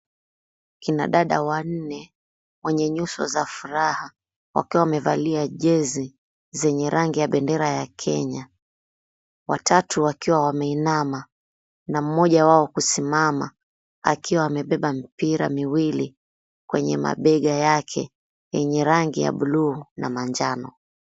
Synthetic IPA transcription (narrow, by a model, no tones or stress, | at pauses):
kina̰ɗaɗawan̩nɛ | wɛɲɛɲusɔ̰zafuɾaha | wa̰kiwawamɛvaliaʄɛzi | zɛɲɛɾʔaŋɡijaɓɛndɛɾajakʰɛ̰ɲa | watʰatʰuwakiwawamɛinama | nam̩mɔʄawaɔkusimama̰ | a̰kiwaːmɛɓɛɓam̩piɾa̰miwili | kwɛɲɛ̰ma̰ɓɛɠajakʰɛ | jɛɲɛɾaŋɡija̰ɓuluːna̰maɲd͡ʒanɔ